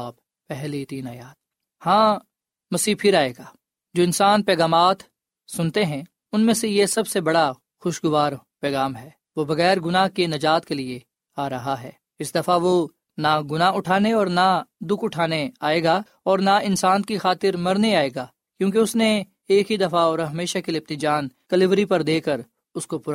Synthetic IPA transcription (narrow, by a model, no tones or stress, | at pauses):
b̚ | pɛɦlit̪iːnaːjaːd̪̚ | hãː | mɐsiːpʰɪɾaːeːɡaː | d͡ʒoːɪ̃nsaːnpɛːɣaːmaːt̪ | sʊnt̪eɦɛ̃ | ʊnmẽsejesɐbsebɐɽa | xʊʃɡʊʋaːɾpɛːɣaːmɦɛː | ʋobɐɣɛːɾɡʊnaɦkenɐd͡ʒaːt̪kelie | aːɾɐɦaɦɛ̰ː | ɪsd̪ɐfaʋo | naɡʊnaʊʈʰaːneɔːɾnad̪ʊkʰʊʈʰaːneaːeːɡaː | ɔːɾnaɪnsaːnkixaːt̪ɪɾmɐɾneaːeːɡaː | kjõːk̬iʊsne | eːkɦid̪ɐfaɔːɾɦɐmeːʃakilɪp̚nid͡ʒaːnkɐlɪʋɾipɐɾd̪eːkəɾ | ʊskopʊɾ